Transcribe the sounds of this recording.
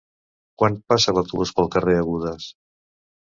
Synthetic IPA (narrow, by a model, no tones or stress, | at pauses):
kwanpasəβəlˠt̪uβuspəlˠkəreəɣuðəs